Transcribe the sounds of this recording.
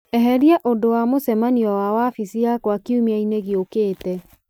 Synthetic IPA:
ɛɦɛɾiaʔodowamosɛmaniɔwawafisiakwakiumiaineɣiokeːtɛ

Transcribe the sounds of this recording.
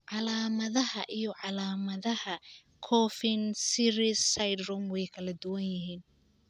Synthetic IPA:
ʕɑlaːmɐðɐhɐʔijɔʕɑlaːmɐðɐhɐ | kʰɔːfɪnsiɾisːajd̪rʊmwɛjkʰɐlɐd̪ʊwɐnjɪɦiːn

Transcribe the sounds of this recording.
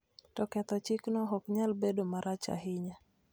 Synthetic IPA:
tɔkɛt̪ɔt͡ʃɪknɔɦɔkɲalbedomaɾʔat͡ʃa̰ɦɪɲa

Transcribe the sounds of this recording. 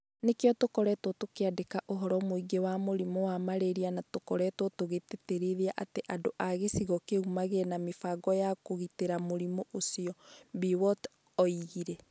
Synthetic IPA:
nekeɔtokɔɾɛtɔtokeadekaʔoɦɔɾɔmoiɡewamoɾimowamaɾeɾianatokɔɾɛtwɔtoɣeteteɾeðeaʔateʔadoʔaɣesiɣɔkeumaɣenamefaɡɔjakoɣiteɾamoɾimoʔosiɔbiwɔt | ɔiɣiɾɛ

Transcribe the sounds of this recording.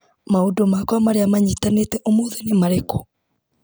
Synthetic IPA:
maodomakwamaɾeamaɲitanetɛʔomoːðenemaɾeko

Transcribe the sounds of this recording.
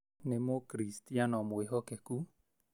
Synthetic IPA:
nemokɾistianɔmoeɦɔkɛku

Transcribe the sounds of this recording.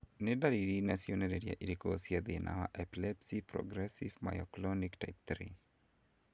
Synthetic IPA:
nɪdaliɾinasiɔnɛɾɛɾia̰ʔilikɔɔsiaðinʔa̰wa̰ʔɛpilɛpsipɾɔ̰ɡɾɛsivma̰jɔklɔnikta̰jp̚t̪ɾḭ

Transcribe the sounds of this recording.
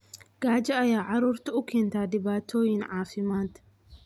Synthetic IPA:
ɡaːd͡ʒɐɐjaːʕaɾʊɾt̪ʊʊkɛnt̪aːd̪ɪbaːt̪ʰːoːjɪnʕaːfɪmaːnt̪

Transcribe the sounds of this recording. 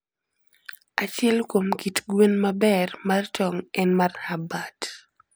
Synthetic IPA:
at͡ʃɛlkomkitɡwenmabɛrmart͡ʃɔŋɛnmarhabat

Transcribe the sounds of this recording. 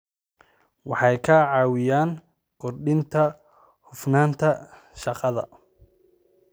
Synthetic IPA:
wɑħɑjkʰɐʕɑːwɪjaːn | kɔrɖɪnt̪ʰɐ | hʊfnaːnt̪ʰɐ | ʃɑqɑðɐ̰

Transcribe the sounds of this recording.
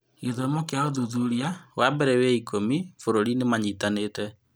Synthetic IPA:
iðɔmɔkeaoðuðuɾiawabɛɾɛwɛikʰomifoɾoɾinemaɲitanetɛ

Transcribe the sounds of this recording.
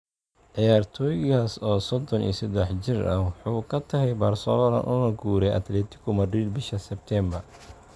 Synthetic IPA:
ʕɪjaːrt̪ʰɔːjɪɣaːsɔːsɔd̪ɔnḭːsɐd̪ɛħt͡ʃɪrɐwɑħuːkʰɐt̪ʰɐɦɛjbɐrsɔlɔlɐ̰nʔʊnɐɡuːɾɛjʔɐ̰t̪lɛːt̪ʰɪ̥kʰʊmɐriːlbɪʃɐsɛb̚t̪ʰɛmbɐr

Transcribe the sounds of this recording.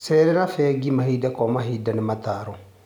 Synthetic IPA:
sɛːɾɛɾafɛːɡimahidakɔmaɦiːdanɪmat̪aːɾɔ

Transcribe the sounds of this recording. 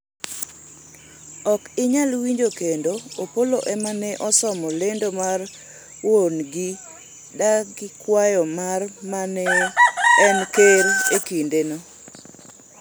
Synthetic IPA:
ɔkɪɲalwiɲd͡ʒokendoopoloʔɛmanɛʔɔsɔmɔlendomar | wonɡɪ | daɡɪkwajɔmarmanɛ | ɛnkeɾekindeno

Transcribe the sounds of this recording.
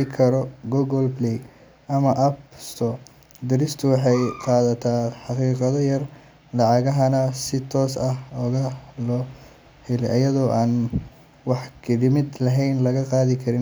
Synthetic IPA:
ɪkʰɐɾɔɡuɣɔlblɛ | ʔɐmɐʔɐpst̪ʰɔː | d̪ɪɾɪst̪ʰʊwɑħɑjqɑːðɐt̪ʰaːħɑqiːqɑðɔjɐr | lɑʕɑɣɐɦɐnɐsɪt̪ʰɔːsɐhɔːɣɐlɔː | hɛlɛʔɐjɐðɔːʔaːn | wɑħkʰɪdɪmɪd̪lɐɦɛjnlɐɣɐqɑːðɪkʰɐɾɪn

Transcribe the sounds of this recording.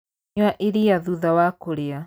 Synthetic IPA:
waʔiɾiaðuðawakoɾea

